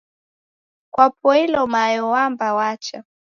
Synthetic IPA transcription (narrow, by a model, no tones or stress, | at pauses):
kwap̚ɔilɔmajɔwambawat͡ʃa